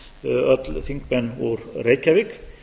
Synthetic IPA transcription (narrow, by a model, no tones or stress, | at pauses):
œt̪lθiŋk̚mɛnɔɾɾejcavɪk